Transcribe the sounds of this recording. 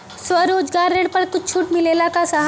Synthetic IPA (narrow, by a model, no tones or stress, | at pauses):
swɐɾoːd͡ʒɡaːɾːeːɽpɐɾkʊt͡ʃt͡ʃʰuːʈmɪleːlakasɐɦ